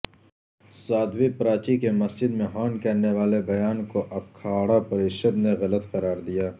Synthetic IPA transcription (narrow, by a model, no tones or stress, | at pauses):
saːd̪wipɐɾaːt͡ʃikemɐsd͡ʒɪd̪mẽɦaːnkɐɾneʋaːlebɐjaːnkoʔɐb̚kʰaːɽapɐɾeːʃəd̪neɣɐlət̪qɐɾaːɾd̪ijaː